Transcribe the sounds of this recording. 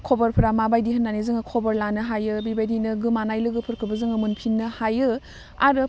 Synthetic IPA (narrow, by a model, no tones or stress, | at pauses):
kʰobɐɾpʰɯɾamabajdiɦɐnːanizɯŋɯkʰobɐɾlanɯɦajɯbibajdinɯɡɯmanajlɯɡɯpʰɯɾkʰɯbɐzɯŋɯmunpʰinːɯhajɯ | a̰ɾɯ